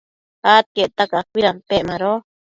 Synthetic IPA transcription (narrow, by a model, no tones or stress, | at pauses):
at̪̚ket̪akakʷiɾamp̪eʔmãɾo